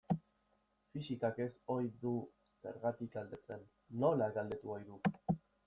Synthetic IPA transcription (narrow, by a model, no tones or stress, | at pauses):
fisikake̞so̞jðu | se̞̰ɾɣat̪ikɡald̪e̞t͡se̞nː | o̞laɣald̪e̞t̪uojðu